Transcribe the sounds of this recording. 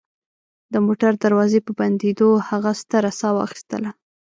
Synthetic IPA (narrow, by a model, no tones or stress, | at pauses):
d̪əmoʈaɾd̪aɾwɑzepəband̪ed̪ohaɣast̪əɾasɑwɑ̰xi̥st̪ə̰la